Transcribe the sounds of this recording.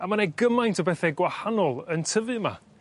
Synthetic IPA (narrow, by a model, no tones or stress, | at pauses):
amaneɡəmajntʰɔbɛθɛɡwahanɔlˠəntʰəvɨma̰